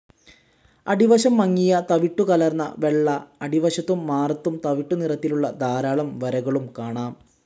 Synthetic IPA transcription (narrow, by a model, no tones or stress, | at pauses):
ɐ̰ɖiʋɐɕɐmːɐŋːijɐt̪ɐʋiʈːukɐlɐrnːɐ̰ʋe̞ɭːɐɐɽiʋɐɕɐt̪ːumːaːrɐt̪ːumt̪ɐʋiʈːunirɐt̪ːiluɭːɐd̪aːɾaːɭɐmʋɐɾɐɣɐɭumkaːɳaːm